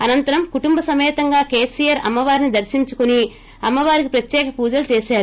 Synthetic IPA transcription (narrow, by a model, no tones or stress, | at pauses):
ɐnɐnt̪ɐɾɐmkuʈumbɐsɐmɛːt̪ɐŋɡaːke̞ːsijɐɾɐ̰mːɐʋaːɾinid̪ɐɾsiɲt͡ʃukuni | ɐmːɐʋaːɾikipɾɐt̪jɛːkɐpuːd͡ʒɐlut͡ʃeːʃaːɾu